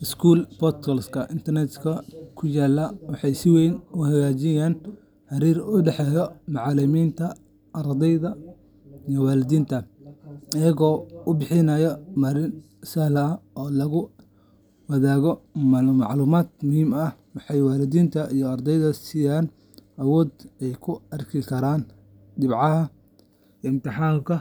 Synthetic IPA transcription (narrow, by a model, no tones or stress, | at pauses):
ɪskʰuːlbɔt̪kʰɔlskʰɐʔɪnt̪ʰɐrnɛt̪kʰɐkʰʊjaːlːɐwɑħɑjsɪwɛjnʊhɐɣaːt͡ʃɪjaːn | ħɑɾiːrʊɖɛħɛːjɔmɑʕɑlɪmiːnt̪ʰɐ | ɐɾd̪ɛjðɐ | ijɔwaːlɪd̪iːnt̪ʰɐ | ɪjɐɣɔːʊbɪħɪnɐjɔmɐɾɪn | sɐhlɐʔɔːlɐɣʊ | wɐðaːɣɔmɑ̰ʕluːmaːd̪mʊhiːmɐhwɑħɑjwaːlɪðiːnt̪ʰɐʔijɔɐrd̪ɛjðɐsɪjaːn | ʔɐwɔːd̪ɛjkʰʊɐrkʰɪkʰɐɾaːn | d̪ɪbʕɑɦɐ | ɪmt̪ɪħaːmkʰɐ